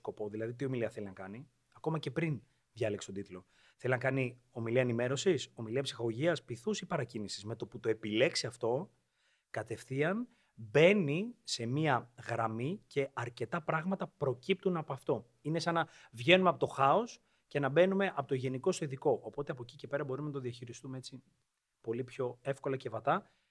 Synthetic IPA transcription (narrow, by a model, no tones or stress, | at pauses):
ko̞po̞ðilɐðit̪̬io̞miliɐθelinɐkɐni | ɐko̞mɐce̞pɾin | ðʝɐlekst̪od̪it̪lo̞ | θe̞linɐkɐni | o̞miliɐenime̞ɾo̞siso̞miliɐpsi̥xɐɣoʝiɐspiθusipɐɾɐcinisizme̞t̪o̞put̪o̞e̞pile̞ksiɐft̪o̞ | kɐt̪e̞fθiɐn | be̞nise̞miɐɣɾɐmice̞ɐɾce̞t̪ɐpɾɐɣmɐt̪ɐpɾo̞cip̚t̪unɐpoɐft̪o̞ | ine̞sɐnɐvʝe̞numeɐpot̪o̞xɐo̞s | cenɐbe̞nume̞ʔɐpot̪oʝe̞niko̞siðiko̞ʔopo̞t̪eɐpo̞cice̞pe̞ɾɐbo̞ɾumenɐt̪oðiɐçiɾist̪umeet͡si | po̞lipço̞e̞fko̞lɐce̞vɐt̪ɐ